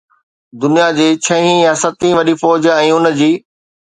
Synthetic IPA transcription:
d̪ʊnijad͡ʑeːt͡ɕʰɐ̃ɦĩjãsɐt̪ĩʋɐɗifɔːd͡ʑɛ̃ːʊnə̆d͡ʑiː

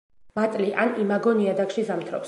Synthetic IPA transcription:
mat̪ʼliʔanimaɡɔniad̪akʃizamt̪ʰɾɔ̰ps

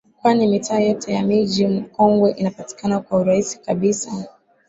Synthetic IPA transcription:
kwanimitʰaːjɔtʰɛjamiʄim̩kɔŋɡwɛʔinapati̥kanakwauɾaisi̥kaɓisa

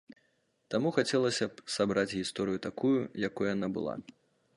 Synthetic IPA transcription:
t̪amuxat͡sʲɛlˠɐsʲɐpsabɾat͡sʲɣʲist̪ɔɾɨjut̪akujujakɔjjanabɨ̰lˠa̰

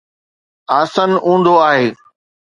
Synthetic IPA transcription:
aːsənũːn̆d̪oaːɦeː

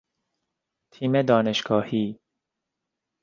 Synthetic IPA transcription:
t̪ʰiːmed̪ɒːneʃɡɒːhiː

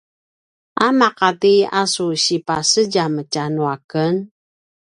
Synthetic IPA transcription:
amaqatiasuɕipasəɟaməcanuakən

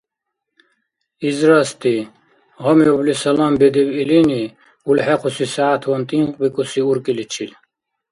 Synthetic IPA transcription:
izɾɐst̪i | ʁɔmjoblisɐlambed̪ibilini | ulħequsisaːt̪ʰwɐnt̪iŋqbikusiuɾkilit͡ɕʰil

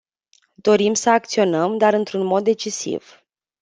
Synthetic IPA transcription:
d̪̥o̞ɾimsəak̚t̪sio̞nəmd̪aɾɨnt̪ɾunmo̞d̪̚ːe̞t͡ʃisḭv̥

